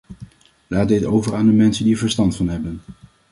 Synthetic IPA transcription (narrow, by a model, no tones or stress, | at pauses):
laːt̚dɪtowvəɹaːndəmɛnsəndiəɹvəɹstɑntfɑnɦɛbən